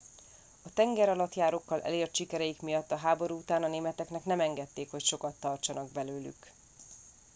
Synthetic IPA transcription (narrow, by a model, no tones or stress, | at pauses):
ɒt̪ɛŋɡɛɾɒlɒt̪jaːɾo̞kːɒlʔɛ̰leːrt̪ʃikɛɾɛjikmijɒt̪ːɒɦaːbo̞ɾuut̪aːnɒneːmɛt̪ɛknɛknɛmɛŋɡɛt̪ːeːkho̞cʃo̞kɒt̪ːɒrt͡ʃɒnɒɡbɛløːly̰k